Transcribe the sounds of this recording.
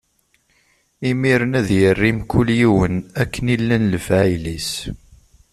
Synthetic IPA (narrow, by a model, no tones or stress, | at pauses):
imiɾənæðjərːimkʰːʊljiwənækːənilːænləfʕjlis